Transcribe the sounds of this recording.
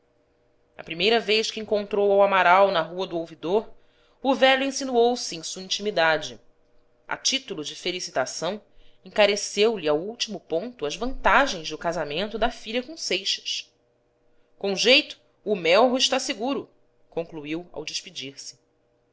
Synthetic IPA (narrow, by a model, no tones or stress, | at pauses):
ɐ̰pɾimejɾɐvejʃkɪẽŋkõnt̪ɾowawamaɾawnɐɦuɐd̪ʊowvid̪oɾ | ʊvɛʎuẽsinuowsɪẽj̃suɐĩt͡ʃimid̪ad͡ʒɪ | ɐ̰t͡ʃit̪ulʊd͡ʒɪfelisit̪asɐ̃w̃ẽŋkaɾesewliawuwt͡ʃimʊpõnt̪ʊɐzvɐ̃nt̪aʒẽj̃zd̪ʊkazamẽnt̪ʊd̪ɐfiʎɐkõsejʃɐ̥ʃ | kõʒejt̪ʊ̥ː | mɛwɦʊɪʃt̪aseɡuɾʊ | kõŋkluiwɐ̰wd͡ʒɪʃpid͡ʒiɾsɪ̥